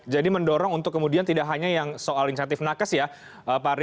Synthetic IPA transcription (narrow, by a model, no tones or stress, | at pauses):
d͡ʒadiməndɔɾɔŋunt̪ʊkːəmudiant̪idaʔɦaɲajaŋsoʔalins̬at̪ɪfnakasja | ʔəpaɾ